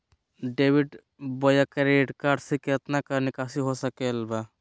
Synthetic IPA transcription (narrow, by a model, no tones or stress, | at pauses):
ɖeːʋiɖ | bojakɐɾeːʈkaːɾɖsiket̪nakɐnɪkaːsiɦosəkeːlba